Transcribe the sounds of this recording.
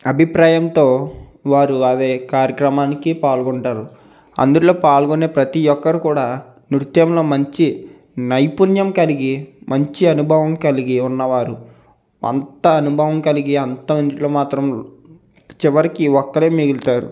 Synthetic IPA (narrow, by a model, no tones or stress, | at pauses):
ɐbʱipɾaːjɐmt̪o̞ːʋaːɾuɐd̪eːkaːɾjɐkɾɐmaːnikipaːɭɡɔɳʈaːɾu | ɐ̰nd̪uʈloːpaːɭɡoneːpɾɐt̪iɔkːɐɾikuːɽaː | niɾt̪jɐmlo̞ːmɐɲt͡ʃi | nɐjpunjɐmkɐliɡimɐɲt͡ʃiɐnubʱɐʋɐmkɐliɡiunːɐʋaːɾu | ɐ̰nt̪ɐːnubʱɐʋɐmkɐliɡiɐnt̪ɐmɐniloːmaːt̪ɾɐm | t͡ʃiʋɐɾikiɔkːɐɭeːmiɡult̪aːɾṵ